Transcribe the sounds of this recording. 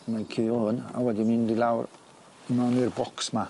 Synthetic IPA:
makʰiːɔhʊna̰wɛdimindilˠawr | imanirbɔksma

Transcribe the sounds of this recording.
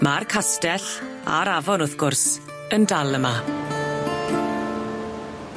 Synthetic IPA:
markʰastɛɬ | a̰ɾavɔnʊθɡ̥ʊrs | əndalˠəma

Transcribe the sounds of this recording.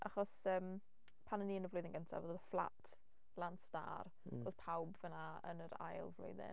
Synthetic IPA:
ʔa̰χɔsəːm | pʰanəniːənəvlʊjðɪnŋɡəntʰa̰vəðəðəflˠa̰tʰ | lˠansta̰ːr | roð̥pʰawbvənaə̰nəɾa̰jlˠvlʊ̰jðɪ̰n

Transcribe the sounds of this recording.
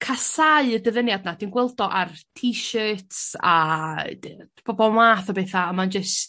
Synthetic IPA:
kʰasaɨədəðənjadnad̥inɡwɛlˠdɔʔartʰiʃøːtsa | b̥ɔbɔmaːθabeθaːmand͡ʒəs

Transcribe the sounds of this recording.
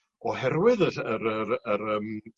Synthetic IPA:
ɔhɛrwɪðəəɾəɾəɾəm

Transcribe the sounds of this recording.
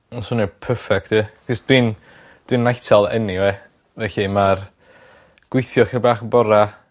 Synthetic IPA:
ɔnsʊnɛpʰəfɛk̚tʰɨkɪsd̥wɪn | d̥winːajtʰalˠɛniwɛ | vɛɬimar | ɡ̥wɪjθjɔχɪrbaːχəbɔɾa

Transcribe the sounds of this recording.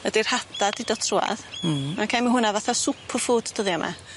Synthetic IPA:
ədir̥hadadɪdɔtʰrua̰ðmankʰajməɦʊnavaθasʊpʰərfuːdd̥əðiɔmʔa̰

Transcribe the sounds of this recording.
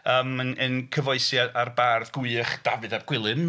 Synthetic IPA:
əːmənənkʰəvɔɨsjaarbarðɡʊɨχd̥avɨðarɡ̥wɪlˠɨm

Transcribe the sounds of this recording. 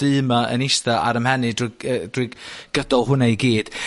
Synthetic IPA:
ɨmaə̰nɪstaʔa̰ɾəmhɛnɨdəd̥wiɡ̥ədɔlˠɦʊnajɡiːd̥

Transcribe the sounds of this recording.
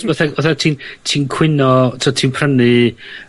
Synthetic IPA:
oθɛoθɛtʰiːntʰiːnkʰw̥ɪnɔtʰiɔtʰiːnpʰrənɨ

